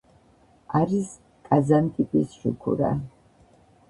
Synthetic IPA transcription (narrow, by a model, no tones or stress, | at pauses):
aɾis | kʼazant̪ʰʼipʼisʃukʰṵɾa̰